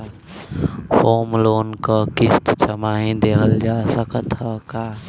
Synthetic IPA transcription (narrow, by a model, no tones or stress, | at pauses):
pʰoːmloːnkəkɪst̪t͡ʃəmaːɦĩd̪eːɦəld͡ʒasəkət̪ɦəkaː